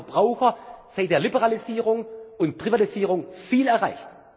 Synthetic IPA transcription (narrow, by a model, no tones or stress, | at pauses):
ɐb̥ʁaʊxɐz̥aɪdeːɐlibɛʁaliziːʁʊŋʊntpʁ̥ivatiziːʁʊŋfiːlɛɐʁaɪçt